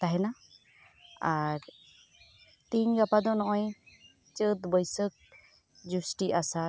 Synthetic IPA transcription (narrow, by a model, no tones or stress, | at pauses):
t̪aɦɛna | aɾ | t̪iɲɡapad̪ɔnɔʔɔ̃j | t͡ʃət̪bəjsək̚ | d͡ʒusʈiʔasa